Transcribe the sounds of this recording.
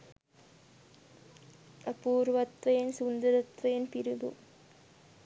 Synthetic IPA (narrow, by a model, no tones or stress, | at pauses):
ɐpuːrʋɐt̪ʋɐjnsund̪ɐɾɐt̪ʋɐjnpiɾuðṵ